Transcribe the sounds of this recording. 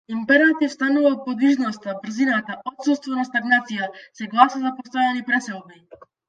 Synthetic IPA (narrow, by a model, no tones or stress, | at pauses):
impɛɾat̪ifst̪anuvapɔd̪viʒnɔst̪abr̩zinat̪aʔɔt̪sust̪vɔnast̪aɡnat̪sijasɛɡlˠasazapɔst̪ɔjanipɾɛsɛlˠbi